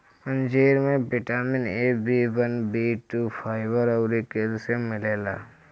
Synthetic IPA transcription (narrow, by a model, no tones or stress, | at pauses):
ə̃nd͡ʒeːɾmẽbɪʈaːmɪneːbʱiːʋənbiːʈuːpʰaːɪʋəɾɔʊɾikelsemɪleːla̰ː